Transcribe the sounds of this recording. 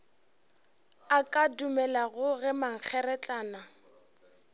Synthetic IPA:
akʼadumɛlaɣʊɣɛmaŋ̩k͡xʰɛɾɛt͡ɬʼaːna

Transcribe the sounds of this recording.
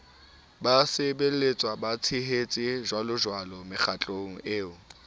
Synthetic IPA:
basɪbelet͡sʼwabat͡sʰɪɦet͡sʼɪʒwalʊʒwalɔmɪχʰat͡ɬʼoŋ̩ʔeːʊ

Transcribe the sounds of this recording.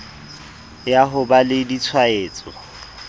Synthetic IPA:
jaɦʊbalɪdit͡sʰwaeːt͡sʼɔ

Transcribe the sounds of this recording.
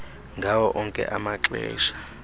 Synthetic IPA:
ŋɡʱawɔʔɔŋkʼɛ̰ʔamaǁɛ̰ːʃḁ

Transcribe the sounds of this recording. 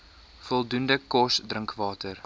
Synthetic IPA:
fɔlˠdundəkɔsdrəŋkvɑːtər

